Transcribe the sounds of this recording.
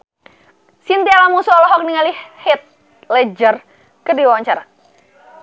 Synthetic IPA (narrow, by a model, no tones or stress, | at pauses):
sint̪ialamusɔɔlɔɦɔk̚niŋalihit̪̚ | lɛd͡ʒər | kədiwawaɲt͡ʃaɾa